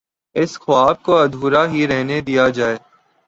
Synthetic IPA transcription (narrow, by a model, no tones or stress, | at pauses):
ɪsxʊaːb̚koɐd̪ʱuːɾaɦiɾɛɦned̪ijad͡ʒaːeː